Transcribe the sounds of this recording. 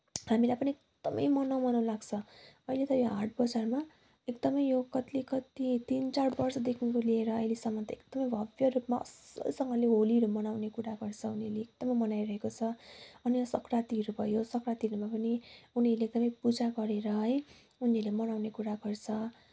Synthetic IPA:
hamilajpʌniekd̪̥ʌmʌjmʌnʌwmʌnalaɡt͡sʰʌʌilet̪ʌjoɦaʈ̚bʌd͡zarma | ekd̪ʌmʌjjokʌt̪likʌt̪it̪int͡sarbʌrsʌd̪ekʰnkolieɾʌːjlesʌŋʌt̪ʌekd̪̥ʌmʌjbʱʌbjʌrupmaʌ̰sʌ̰sʌŋɡʌleɦoliɾʌmʌnawnekuɾaɡʌrt͡sʰʌuniʌrleːkd̪ʌmʌjmʌnajɾʌɦekot͡sʰʌʌnijʌsʌkrat̪iɾubʱʌjosʌkrat̪iɾumapʌniuniʌɾlek̚d̪ʌmʌjpud͡zaɡʌɾeɾʌɦʌj | uniʌlemʌnawnekuɾaɡʌrt͡sʰʌ

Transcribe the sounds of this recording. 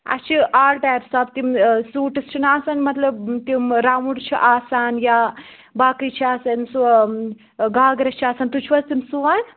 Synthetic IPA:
ɐ̰t͡ʃʰiʔaːlʈ̪ajɾsaːb̚t̪imsuːʈɐst͡ʃʰinaːsaːnmɐt̪lɐbt̪imɾamuɽt͡ʃʰḭʔaːsaːnja | baːkit͡ʃʰiaːsɐnsu | ɡaːɡɾɐt͡ʃʰiaːsaːnt̪ut͡ʃʰʋɐst̪imsuʋan

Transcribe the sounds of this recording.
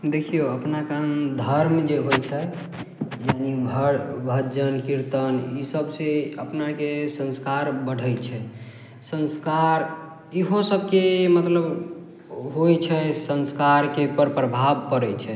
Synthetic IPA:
d̪ekʰijoəpnakaənd̪ʱəɾmd͡ʒeɦojt͡ʃʰɛ | janibʱbʱəd͡ʒənkiɾt̪ənisəbseəpnakesə̃nskaɾbəɽ̤ʱəjt͡ʃʰɛ | sə̃nskaɾ | iɦõsəb̚ʱkemət̪ləb | ɦojt͡ʃʰɛsə̃nskaɾkepəɾpɾəbʱabkəɾɛt͡ʃʰɛ

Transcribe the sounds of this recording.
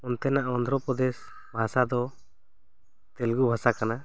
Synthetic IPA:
ɔnt̪ɛnaʔɔnd̪ʱɾɔpɔd̪ɛs | bʱasad̪ɔ | t̪ɛlɡubʱasakana

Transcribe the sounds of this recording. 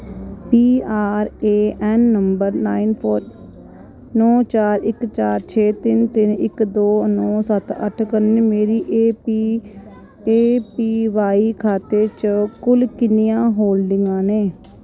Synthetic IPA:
piːaːɾeːɛːnːəmbəɾnaːinpʰoːɾ | nɔ̃ːt͡ʃaːɾɪkt͡ʃaːɾt͡ʃʰeːt̪ɪnt̪ɪnɪkd̪oːnɔ̃ːsət̪ə̰ʈʰkəɾnːmeːɾiːʔeːpi | eːpiːʋaːiːkʰaːt̪eːt͡ʃkʊlkɪnijãːɦoːlɖɪŋɡãːneː

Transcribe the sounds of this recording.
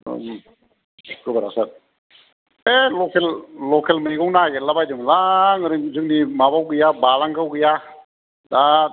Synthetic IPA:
kɯbaɾa̰sat̚ | elɔkʰelːɔkʰelmajɡɔwŋnaɡelabajdɯŋlaŋɯɾɯzɯk̚nimabawɡɯjabalaŋkawɡɯja | da

